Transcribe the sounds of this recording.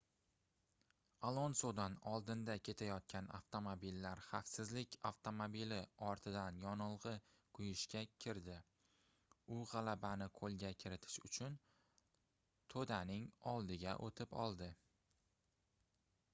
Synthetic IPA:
alˠɒnsod̪anɒlˠd̪ɪnd̪akʲʰe̞t̪ʰajɒt̪̚kʲʰana̰ft̪ʰo̞mobilːaɾχafsɪzlɪkʲʰaft̪ʰo̞mobilɪɒɾt̪ʰɪd̪anjɒnɨlˠʁɨ | qʰʊjɪʃkʲakʲʰɪɾd̪ɪ | ʊʁɑlabanɪqʰolˠɡʲakʲʰɪɾɪt̪ʰɪ̥ʃʊt͡ʃʰʊn | t̪ʰod̪anɪŋɒlˠd̪ɪɡʲa̰ʔot̪ʰɪpɒ̰lˠd̪ɪ

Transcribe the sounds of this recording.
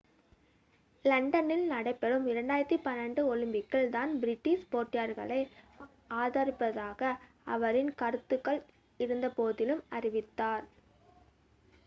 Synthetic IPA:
lɐɳɖɐnɪlnɐɽɐɪpːɛɽɯmɪɾɐɳɖaːjɪɾɐɾt̪ːipɐnːɐɳɖɯɔlɯmbɪkːɐɭd̪aːnbɾɪʈːispoːʈːɪjaɾɣɐ̰ɭɐɪ | aːðoːɾɪpːɐðaːɣɐ | ɐʋɐɾɪnkɐɾɯt̪ːɯkːɐɭ | ɪɾɯnd̪ɐpoːðɪlɯmɐɾɪʋɪt̪ːaːɾ

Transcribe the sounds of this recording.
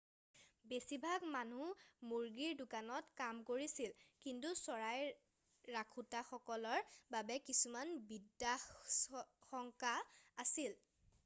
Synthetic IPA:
besibʱaɡmanumuɹɡiɹdʊkanɔtkamkoɹisilkintusɔɹaj | ɹakʰutaxɔkɔlɔɹbabɛkisumanbidːa | xɔŋkaasil

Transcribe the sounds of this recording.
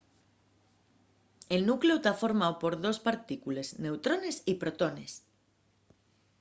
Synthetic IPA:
e̞lnukleot̪afo̞ɾmaopo̞ɾðo̞spaɾt̪ikule̞zne̞wt̪ɾone̞sipɾot̪o̞nes

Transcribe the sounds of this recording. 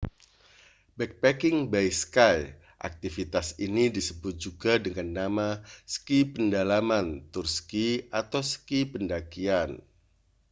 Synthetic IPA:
bɛk̚pɛkɪŋbajskaj | ʔa̰k̚t̪ifit̪asinidisəbʊt̪̚d͡ʒ̥uɡadəŋanːamasə̥kipəndalamant̪ursə̥kiat̪awsə̥kipəndakian

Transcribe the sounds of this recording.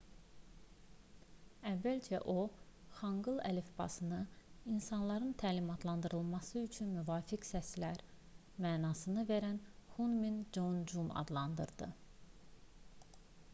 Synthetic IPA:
ævːælt͡ʃʰæ̰ʔoχɑŋɡɯlˠæ̰lefbɑ̰sɯnɯinsɑnlˠɑɾɯnt̪ʰæːlimɑt̪ʰlˠɑnd̪ɯɾɯlˠmɑsɯyt͡ʃʰynmyvɑːficsæslæɾ | mæːnɑːsɯnɯveɾænhunmind͡ʒond͡ʒumɑ̰d̪lˠɑnd̪ɯ̰ɾd̪ɯ̰

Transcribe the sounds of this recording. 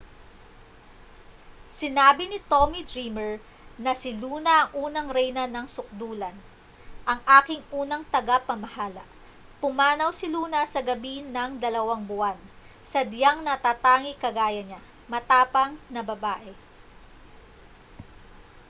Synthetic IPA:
sɪnaːbɪnɪt̪omid̪ɾimɛɹ | nɐsɪluːnɐʔɐŋʔuːnɐŋɾɛjnɐnɐŋsʊk̚d̪uːlɐn | ʔɐŋʔaːkɪŋʔuːnɐŋt̪ɐɡapɐmɐhaːlɐ̰ʔ | pʊmaːnɐwsɪluːnɐsɐɡɐbinɐŋd̪ɐlɐwaŋbʊʔan | sɐd̪jaŋnɐt̪aːt̪aːŋikɐɡaːjɐɲa | mɐt̪aːpɐŋnɐbɐbaːʔɛ

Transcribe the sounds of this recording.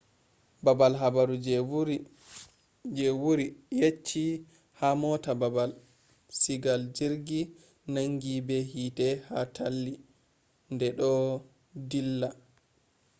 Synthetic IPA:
babalɦabaɾud͡ʒ | d͡ʒɛwuɾijet͡ʃːi | hamɔtababal | siɡald͡ʒiɾɡi | naŋɡibɛhitɛhatʰalːi | ndɛɗɔ | dilːa

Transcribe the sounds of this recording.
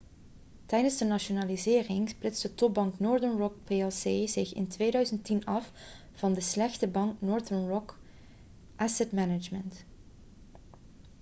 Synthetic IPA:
tɛjdənzdənɑʃonaːlizɪːrɪŋsplɪtsdətɔp̚bɑŋknoːɹdənɹɔk̚peɛlˠseːzɪxɪ̰ntʋeːjdœɥzəntinɑf | v̥ɑndəslɛxtəbɑŋknɔːɹdənɹɔk | ʔasɛtmɛnɪd͡ʒmənt

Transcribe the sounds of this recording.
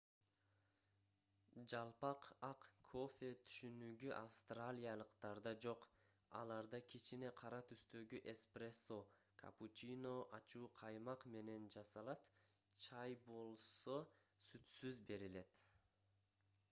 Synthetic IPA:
d͡ʒɑlˠpɑqɑqkʰo̞fʲe̞t̪ʰy̥ʃynyɡyʔafst̪ralʲijalˠəqt̪ɑɾd̪ɑd͡ʒo̞q | ɑ̰lˠɑɾd̪ɑkʰʲit͡ʃine̞qʰɑɾɑt̪ʰyst̪ø̞ɡyʔespreso | kʰa̰put͡ʃino̞ʔɑt͡ʃuːqʰɑjmɑqme̞ne̞nd͡ʒɑsɑlˠɑt̪ | t͡ʃʰɑjbo̞lˠso̞ | syt̪syzbe̞ɾile̞t̪

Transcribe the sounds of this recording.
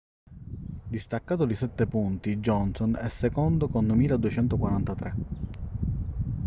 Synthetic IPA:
d̪ist̪akːaːt̪olisɛt̪ːepunt̪id͡ʒɔnsonɛ̰sːekond̪okond̪miːlad̪uet͡ʃɛnt̪okwaɾant̪at̪ɾe

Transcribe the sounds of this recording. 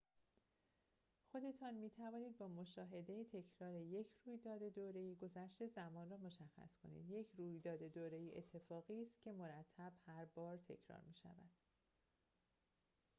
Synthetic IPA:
xo̞d̪e̞t̪ʰɒːnmiːt̪ʰævɒːniːd̪̚bɒːmo̞ʃɒːɦe̞d̪e̞jit̪ʰe̞cʰɾɒːɾe̞je̞cʰruːjd̪ɒːd̪e̞d̪oːɾe̞jiːɡo̞zæʃt̪e̞zæmɒːnrɒːmo̞ʃæxːæ̰skʰo̞̰nḭːd̪je̞cʰruːjd̪ɒːd̪e̞d̪oːɾe̞jiʔet̪ʰːe̞fɒːɣiːst̪cʰe̞mo̞ɾæt̪ʰːæb̥hæɾbɒːɾt̪ʰe̞̰cʰɾɒ̰ːɾmiːʃæ̰væ̰d̪̥

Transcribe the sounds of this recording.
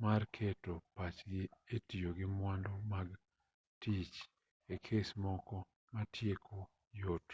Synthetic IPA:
markʰetopat͡ʃɡɪetijoɡɪmwandomaɡ | tit͡ʃ | ekʰesmɔkɔ | matʰjekʰo | jot

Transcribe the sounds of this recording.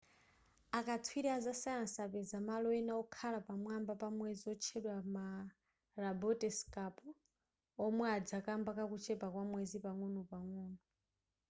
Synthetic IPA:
akatʰwiɾiazasajansapɛzamalɔɛnaɔkʰalapamwambapamwɛziɔt͡ʃʰɛɗwama | ɾabɔtɛskapu | ɔmwɛad͡zakambakakut͡ʃʰɛpakwamwɛzipaŋunupaŋuːnu

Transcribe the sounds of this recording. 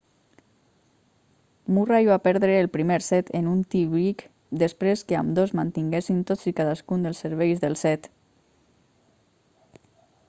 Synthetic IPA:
muraiβapɛɾðɾeːlˠpɾimeɾsɛt̪enunt̪iβɾik | d̪espɾeskea̰md̪ozmant̪iŋɡesint̪ot͡sikaðaskund̪əlˠsːeɾβ̞ejzðəlˠsɛt̪

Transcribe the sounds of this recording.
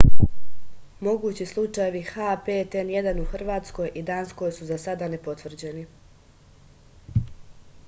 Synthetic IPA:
mo̞ɡuːt͡ɕislˠut͡ʃaje̞ʋixapet̪enjed̪anuxr̩ʋaːt̪sko̞jʔid̪aːnsko̞jsuzasad̪ane̞po̞t̪ʋr̩d͡ʑeni

